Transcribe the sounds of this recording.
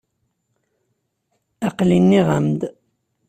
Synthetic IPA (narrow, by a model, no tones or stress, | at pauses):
ɑqlinːiʁə̰md̪